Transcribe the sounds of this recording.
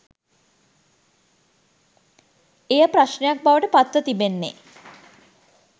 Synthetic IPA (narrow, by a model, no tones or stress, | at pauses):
ejəpɾaʃɳejak̚baʋəʈəpat̪ʋət̪ibenːḛ